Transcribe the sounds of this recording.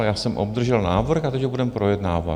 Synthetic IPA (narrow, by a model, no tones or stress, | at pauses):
jaːsɛmʔob̚d̪r̩ʒɛlnaːvr̩xat̪ɛcɦobudɛmpɾojɛd̪naːva̰